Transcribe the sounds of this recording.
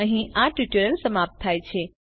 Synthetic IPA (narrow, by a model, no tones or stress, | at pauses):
əɦĩʔaʈiʈəɾəlsəmap̚t̪ʰːajt͡ʃʰe